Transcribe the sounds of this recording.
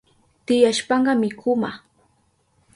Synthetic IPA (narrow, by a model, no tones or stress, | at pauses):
t̪ɪjaʃpɑɴɢɑmɪkʰʊma